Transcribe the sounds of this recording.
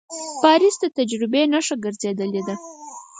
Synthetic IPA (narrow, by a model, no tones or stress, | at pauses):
pɑɾisd̪ət̪ad͡ʒɾɪbenaʂaɡəɾzed̪əled̪a